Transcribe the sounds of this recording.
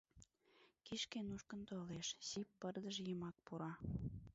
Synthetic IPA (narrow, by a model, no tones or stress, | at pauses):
kiʃkenuʃkənt̪oleʃsipːərd̪əʒjəmɑk̚puɾɑ